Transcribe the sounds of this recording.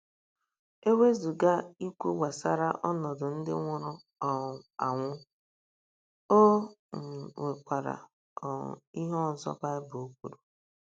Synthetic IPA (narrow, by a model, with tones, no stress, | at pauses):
e˦we˦zu˨ɡa˦i˦kʷu˦wa˨sa˦ɾa˦ʔɔ˦nɔ˨dʊ˨n̩˦dɪ̰˦ŋʷʊ˦ɾʊ˦ | ɔ˨a˨ŋʷʊ˦ | o˦ŋ̩˨ŋʷe˨kʷa˨ɾa̰˨ | ɔ̰˨i˦ɦɔ˦˨n̩˨zɔ̰˦ba˦ɪ˦bʊ˨o˦kʷu˦ɾu˨